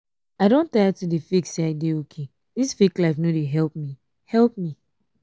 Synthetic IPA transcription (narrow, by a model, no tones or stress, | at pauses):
aɪɾõntatudefiksaɪdeokʰe | disfiklaɪfnodeɦɛlp̚mi | hɛlp̚mi